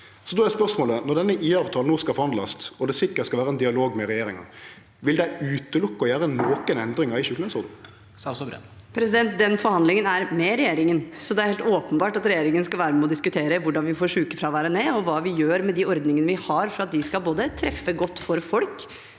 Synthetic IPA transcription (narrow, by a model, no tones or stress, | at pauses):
sɔd̪ɔɛspœʁsmoːlənɔʁd̪ɛnːəʔiːɑːʋt̪ʰɑːlnuːskɑlfɔɾhɑnd̪lɑst̪ɔd̪ɛsɪkːət̪skɑʋæːɾəɛnd̪ɪɑloːɡmɛʁɛjeːɾɪŋɑ̰ | ʋɪld̪ɛɪʉːt̪əlʊkːəɔjæːɾənoːkənɛnd̪ɾɪŋɑɾɪʃʉːklnɛsʊʁd̪n̩ | pʰɾɛs̬ɪd̪ɛnt̪̚d̪ɛnfɔɾhɑnd̪lɪŋənæɾmɛɾɛjeːɾɪŋənsɔd̪ɛæɾhɛːlt̪oːpənbɑːʈɑt̪ɾɛjeːɾɪŋənəskɑlʋæːɾəmɛɔd̪ɪskʉt̪ʰeːɾəʋʊɖɑnʋɪfoːɾʂʉːkəfɾɑʋæːɾəneːɔʋɑːʋɪjøːɾmɛd̪ɪɔɾd̪nɪŋənəʋɪhɑɾfɔɾɑt̪̚d̪ɪskɑlboːd̪ət̪ʰɾɛfːəɡɔt̪ːfɔɾfɔlk